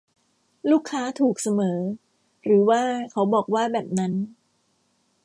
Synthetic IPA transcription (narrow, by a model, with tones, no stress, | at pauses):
luː˥˩kʰːaː˦˥t̪ʰuː˨˩k̚sa˧mɤː˩˦ | ɾɯː˩˦waː˥˩kʰa˦˥wbɔː˨˩k̚waː˥˩bɛː˨˩p̚na˦˥n